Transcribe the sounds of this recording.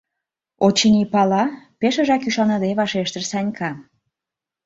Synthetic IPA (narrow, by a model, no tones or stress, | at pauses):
ot͡ɕənʲipɑlɑpeʃə̆ʒɑkyʃɑnɑd̪eβɑʃeʃt̪ə̆ʃsɑnʲkʰɑ